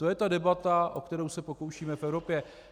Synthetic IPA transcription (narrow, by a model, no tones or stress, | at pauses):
t̪o̞jɛt̪adɛbat̪aʔo̞kt̪ɛɾowsɛpo̞kowʃiːmɛfɛvɾo̞pjɛ